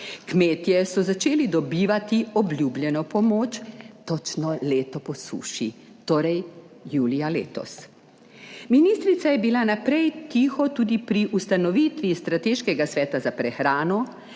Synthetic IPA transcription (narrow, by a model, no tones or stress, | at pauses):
kmeːt̪jɛsɔzat͡ʃeːlid̪ɔbiːʋat̪iɔblʲjuːbljɛnɔpɔmoːt͡ʃt̪ɔt͡ʃnɔleːt̪ɔpɔsṵːʃi | t̪oːɾɛj | juːlijalḛːt̪ɔ̰s | miniːst̪ɾit̪sajɛbilanapɾɛjt̪iːxɔt̪uːd̪ipɾiʔust̪anɔʋiːt̪ʋist̪ɾat̪eːʃkɛɡasʋɛːt̪azapɾɛxɾaːnɔ